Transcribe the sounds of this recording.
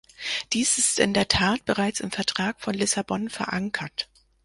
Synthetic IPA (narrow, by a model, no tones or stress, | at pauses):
d̥iːsɪstɪ̰ndeːɐtʰaːt̚b̥əʁaɪt͡sɪmfɛɐtʁ̥aːkfɔnlɪsabɔnfɛɐʔaŋkʰɐt